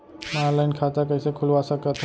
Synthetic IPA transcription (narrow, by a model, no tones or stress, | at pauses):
nanlaɪnkʰaːt̪akəɪsekʰʊlʋasəkət̪ʰ